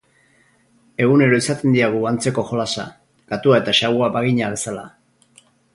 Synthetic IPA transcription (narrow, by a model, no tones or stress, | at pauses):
e̞ɣune̞ɾo̞isat̪e̞nd̪iaɣ̞uant͡se̞ko̞xo̞lasa̰ | ɡ̥at̪uae̞t̪aʃaɣuaβaɣiɲaβe̞sala